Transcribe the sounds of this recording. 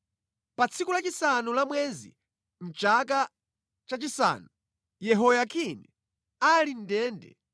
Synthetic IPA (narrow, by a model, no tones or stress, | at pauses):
pat͡sʰikulat͡ʃisanulamwɛzḭ | n̩t͡ʃak̬a | t͡ʃat͡ʃisa̰ːnu | jɛɦɔjakʰinɛ | alin̩dɛːndɛ̰